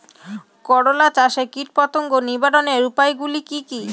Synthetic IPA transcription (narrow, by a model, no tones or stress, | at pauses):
kɔɽolat͡ɕaʃekiʈ̚pɔt̪oŋɡonibaɖoneɾupajɡulikiki